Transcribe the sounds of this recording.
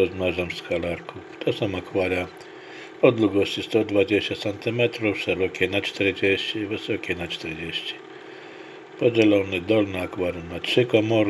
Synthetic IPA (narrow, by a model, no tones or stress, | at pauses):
ɔzmaʐamskalaɾku | t̪ʰɔsɔ̃w̃akvaɾja | ɔd̪luɡɔɕt͡ɕist̪ɔd̪vad͡ʑeɕt͡ɕat̪sɛnt̪ɨmɛt̪ɾufʂɛɾɔkʲɛnat͡ʂt̪ɛɾd͡ʑeɕt͡ɕivɘsɔkʲɛnat͡ʂt̪ɛɾd͡ʑeɕt͡ɕi̥ | pɔd͡ʑɛlɔnɛd̪ɔlnɛakvaɾunatʂɘkɔmɔɾ